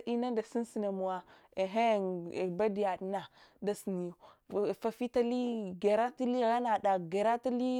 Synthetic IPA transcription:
di˦na˦da˨si˦n˦si˨na˨mu˨a˨ | e˨ɦe˦˨ba˦di˨ja˨dna˨da˦si˨ni˨jo˨fa˨fi˦ta˦li˦ɡe˨ɾa˦ti˦li˦ɣa˦na˨da˨ɡe˨ɾa˦ti˦li˦

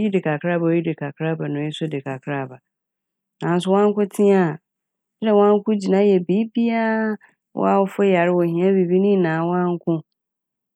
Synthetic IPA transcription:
ji˦dɪ˨kʰa˨kʰɾa˦ba˨o˨˦ji˦dɪ˨kʰa˨kʰɾa˦ba˨nʊ̃˨ɪ˦sʊ˦dɪ˨kʰa˨kʰɾa˦˨ba˨ | nã˨n̩˦sʊ˦wã˦ŋ̩˦kʊ̃˦tʰɪ̃˦a˨ | ɛ˦dɛ˨wɔ̃˦ã˦ŋ˦kʰʊ̃˦d͡ʑi˨nã˦jɛ˨biː˨˦bi˦a˦ | wɔ̰˦a˦wʊ˦fʊ˦ja˨ɾɪ˦wɔ˨hĩ˨˦ã˦bi˨bi˦nĩ˦˨nãː˨wɔ̃˦ã˦ŋ̩˦kʰʊ̃˦

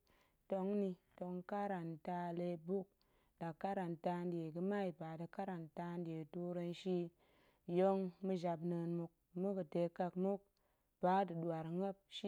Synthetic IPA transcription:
to˧ŋni˧to˧ŋka˦ɾa˨nta˧le˧bu˦k̚ | da˨kːa˦ɾa˨nta˧nde˨ɡə˧ma˦i˨ba˨da˨ka˦ɾa˨nta˧n˦de˨tu˧ɾə˧nʃi˦ | jo˦ŋmɨ˦ʒa˧bnə˧nmu˧k̚mu˦kə˨te˨˦ka˧kmu˦k̚ | b̥a˨˦dɨ˨ɗu˨a˨ɾŋə˦p̚ʃi˦

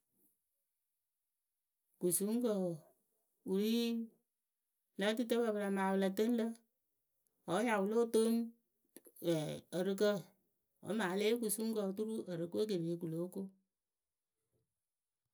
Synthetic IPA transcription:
ku˨su˦ŋ˦kə˨ | u˨ɾi˦ | na˦ti˦tə˦ba˨bə˨ɾa˨ma˨wə˨la˨tə˦n˦lə˦ | ɔ˨˦ja˨wʊ˨lo˦to˦n˨ | ə˨ɾɨ˦k̬ə˦ | ɔ̰˨˦ma˨le˦ku˨su˦ŋ˦kə˨t̬u˦ɾu˦ʔə˨ɾɨ˨ko˦k̬e˨be˨˦ku˨lo˨˦ku˦

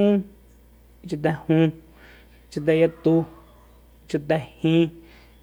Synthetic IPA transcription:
ũ˦ | t͡ʃi˧t̪̬ɛ˧hũ˧ | t͡ʃi˧t̪̬a˧ja˧t̪u˧ | t͡ʃu˧t̪̬ɛ˧hĩ˦˧

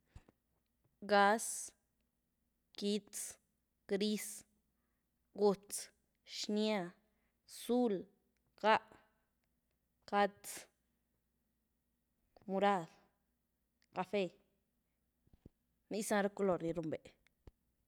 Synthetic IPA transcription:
ɡa˧˦s | ki˦tt͡s | ɡ̥ɾi˦s | ɡu˧t͡s | ʃnja˦˧ | su˦l | ka˦ʔ | ka˦tt͡s | mu˧ɾa˦˧d | ka˧fe˧ | ni˦sã˦ɾa˦ku˦lo˨ɾni˧ɾu˧mbe˨

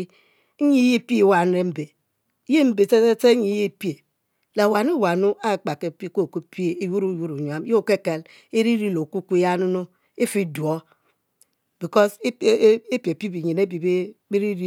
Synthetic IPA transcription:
ɲi˦je˦pi˦˨wa˨ne˦m̩˦be˨˦ | je˦m̩˦be˨te˦e˦te˦ɲi˨˦je˦˨pi˦e˨ | la˨wa˨nu˦wa˨nu˦a˦˨k͡pa˨ke˨pi˦ko˦˨ko˦pi˦e˨e˨ju˦ɾu˦˨ju˦ɾu˨ɲ˨a˦m˦e˦o˦˨ke˦˨ke˨l | e˦ɾi˦ɾi˦lo˨ku˦kʷja˦nu˦no˦ | e˦fi˦du˨o˦ | b̥i˨kɔ˦se˦pi˨e˨pi˦bi˨ɲi˨ne˦bi˨be˦be˦ɾi˦ɾi˦

